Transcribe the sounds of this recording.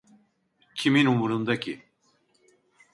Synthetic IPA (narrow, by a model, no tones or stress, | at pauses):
cʰiminumuɾund̪acʰi